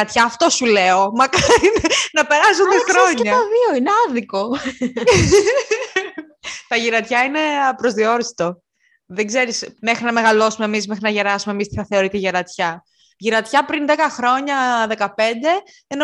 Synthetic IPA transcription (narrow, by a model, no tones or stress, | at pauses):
ɐt̪çɐːft̪osuleo̞mɐkɐinenɐpe̞ɾɐsund̪xɾoɲɐɐðioineɐðiko̞ | t̪ɐʝiɾɐt̪çɐine̞pɾo̞zðio̞ɾist̪o | ðeɡze̞ɾisme̞xɾinɐme̞ɣɐlo̞sumemismexɾinɐʝeɾɐsumemist̪çɐθe̞oɾit̪iʝeɾɐt̪çɐ | ʝiɾɐt̪çɐpɾinðe̞kɐxɾo̞ɲɐðe̞kɐpe̞nd̪e̞ | eno